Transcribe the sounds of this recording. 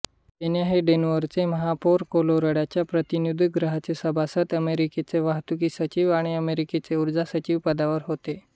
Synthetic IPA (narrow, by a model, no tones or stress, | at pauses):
t̪enjaɦeɖenʋəɾt͡seməɦapoɾkoloɾəɽat͡ɕjapɾət̪injud̪ʱɡɾəɦat͡sesəbʱasət̪əmeɾiket͡seʋaɦt̪ukiːsət͡ɕiːʋaɽ̃iəmeɾiket͡seuɾd͡zasət͡ɕiːʋpəd̪aʋəɾɦot̪e